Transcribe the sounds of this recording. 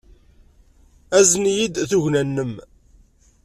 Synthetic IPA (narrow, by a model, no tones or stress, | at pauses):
æznjid̪θuʝnænːəm